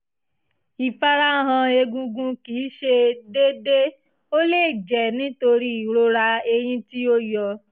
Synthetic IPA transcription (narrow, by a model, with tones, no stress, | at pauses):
i˨fa˧ɾa˦˨ɦã˧e˧ɡũ˧ɡũ˧kiː˨˦ʃe˧de˦de˦ | o˦leː˦˨d͡ʒɛ˨nĩ˦to˧ɾi˦i˨ɾo˦ɾa˧e˧j̃ĩ˦ti˦o˦jɔ˧